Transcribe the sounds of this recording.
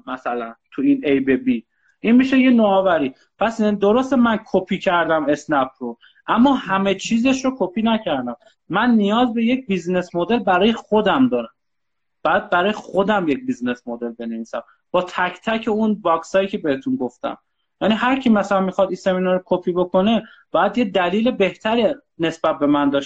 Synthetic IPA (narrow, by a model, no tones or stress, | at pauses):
mæsælænt̪ʰuinejbebi | ʔinmiʃeje̞noɒːvæɾiː | pʰæsd̪oɾost̪emænkʰopʰiːcʰæɾd̪æme̞snæpʰɾo | ʔæmːɒːhæme̞t͡ʃʰiːze̞ʃɾokʰopʰiːnæcʰæɾd̪æmː | ænːijɒːzbe̞jec̚bizne̞smod̪e̞lbæɾɒːje̞χod̪æmd̪ɒːɾæm | b̥ɒjæd̪̚bæɾɒːjexod̪æmjec̚bizne̞smod̪e̞lbe̞neviːsæ̰m | b̥ɒːt̪ʰæcʰt̪ʰæcʰe̞unbɒksɒːjiːcʰe̞be̞het̪ʰunɡo̞ft̪æ̰m | jæniɦæɾcʰimæsælænmixɒd̪iseminɒɾokʰopʰiːbo̞kʰo̞ne̞ | b̥ɒːjæd̪jed̪æliːle̞be̞ht̪ʰæɾi | ne̞sbæt̪̚be̞mænd̪ɒːʃ